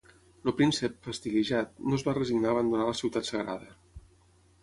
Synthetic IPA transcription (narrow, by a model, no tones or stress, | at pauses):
lopɾinsəpfəst̪iɣeʒat̪nozβarəziɡnaːβand̪unaləsiwt̪at̪səɣɾaðə